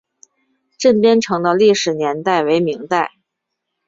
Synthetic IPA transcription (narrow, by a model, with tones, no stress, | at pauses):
ʈ͡ʂə˥˩npjɛ˥nʈ͡ʂʰɤ˧˥ŋd̪ə˧li˥˩ʂɻ̩˨˩njɛ˧˥nt̪a˥˩ɪwe˧˥ɪmi˧˥ŋt̪a˥˩ɪ